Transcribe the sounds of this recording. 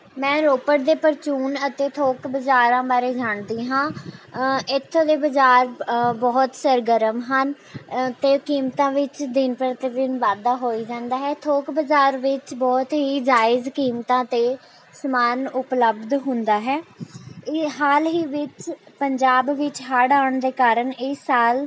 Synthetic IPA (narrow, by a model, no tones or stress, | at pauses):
mɛ̃ːɾoːpəɽd̪eːpəɾt͡ʃuːnət̪eːt̪ʰoːkbəd͡ʒaːɾãːbaːɾeːd͡ʒaːɳd̪iːɦãː | ɪt̪ʰːõːd̪eːbəd͡ʒaːɾbɔːt̪səɾɡəɾəmɦən | t̪eːkiːmt̪ãːʋɪt͡ʃd̪ɪnpəɾt̪ed̪ɪnʋaːd̪aːɦoːiːd͡ʒãːnd̪aːɦɛːt̪ʰoːkbəd͡ʒaːɾʋɪt͡ʃbɔːt̪ɦiːd͡ʒaːɪzkiːmt̪ãːt̪eː | səmaːnʊpləbd̪ɦʊ̃nd̪aːɦɛːɪɦaːlɦiːʋɪt͡ʃpəɲd͡ʒaːbʋɪt͡ʃɦaːɽaːɳd̪eːkaːɾəɳɪsaːl